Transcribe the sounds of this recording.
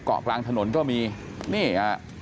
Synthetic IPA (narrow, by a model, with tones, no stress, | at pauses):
kɔ̰ː˨˩klaː˧ŋt̪ʰa˧no˩˦nkɔː˥˩miː˧ | niː˥˩aː˦˩